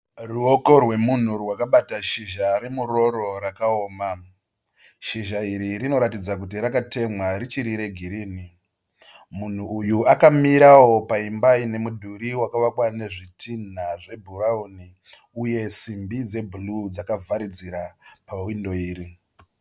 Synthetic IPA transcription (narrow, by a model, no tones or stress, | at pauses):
ruoko̞rwe̞mun̤urwakaɓataʃiʒaɾemuɾo̞ɾo̞ɾakaoːma | ʃiʒaiɾiɾino̞ɾatid͡zak̬utiɾakate̞mwaɾit͡ʃiɾiɾe̞ɡʱiɾiːni | mun̤uːjuakamiɾawo̞paimbaine̞mudʱuɾiwakaʋakwane̞ʐitin̤aʐe̞bʱurauni | uje̞simbid͡ze̞bʱulud͡zakavʱaɾid͡ziɾapawindo̞iːɾi